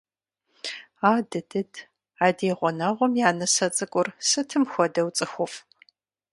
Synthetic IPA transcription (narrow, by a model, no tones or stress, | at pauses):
aːdɨdɨdʰ | aːdeːʁʷɔnɐʁʷɔmjaːnɐsɐt͡sʼɨkʷʼʊrsɨtʰɨmxʷɔdɐwt͡sʼɨxʷʊfʼ